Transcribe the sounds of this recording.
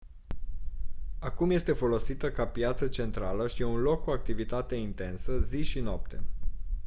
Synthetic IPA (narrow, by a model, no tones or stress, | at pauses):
akumje̞st̪e̞fo̞lo̞sit̪əkapjat̪sət͡ʃe̞nt̪ɾaləʃieunlo̞kːuak̚t̪ivit̪at̪e̞int̪e̞nsəziʃinap̚t̪e̞̰